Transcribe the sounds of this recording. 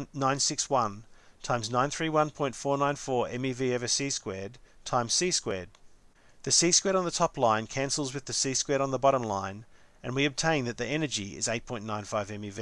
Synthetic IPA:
ãɪ̃nsɪkswʌ̃ntʰãɪ̃mznãɪ̃nθɹiwʌ̃npʰɔ̃ɪ̃ntfɔɹnãɪ̃nfɔɹɛ̃miviɛvɨsiskwɛɹd̚tʰãɪ̃msiskwɛɹd̪̚ | ðɨsiskwɛɾn̩ðətʰɑplãɪ̃nkʰæ̃nsl̩ˠzwɨðɨsiskwɛɾn̩ðəbɑɾə̃mlãɪ̃n | ɨ̰̃nwiɨb̚tʰẽɪ̃nðɨt̪̚ðiɛnə˞d͡ʒiɪ̰zeɪt̚pʰɔ̃ɪ̃nːãɪ̃nfaɪvɛ̃mivi

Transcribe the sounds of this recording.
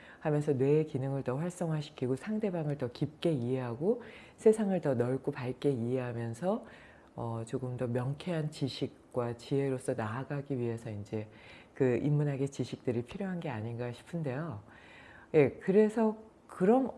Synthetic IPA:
hamjʌns̬ʰʌnwe̞kinɯŋɯɭtʌɸwaɭs͈ʌŋɦaɕʰi̥kʰiɡosʰaŋde̞baŋɯɭtʌkip̚k͈e̞iɦe̞ɦaɡo | sʰe̞sʰaŋɯɭtʌnʌɭk͈opaɭk͈e̞iɦe̞ɦamjʌnsʰʌ | ʌt͡ɕoɡɯmdʌmjʌŋkʰe̞ɦant͡ɕiɕʰik̚k͈wat͡ɕie̞ɾos͈ʰʌnaːɡaɡiɥiɦe̞sʰʌind͡ʑe̞ | kɯimːunɦaɡe̞t͡ɕiɕʰik̚t͈ɯɾipʰiɾjoɦanɡe̞aɲinɡaɕʰi̥pʰɯnde̞jo | je̞kɯɾe̞sʰʌ | kɯɾʌm

